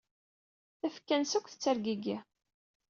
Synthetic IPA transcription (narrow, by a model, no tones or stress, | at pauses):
θæfkːænsækʷθət͡sːæɾɡiɡi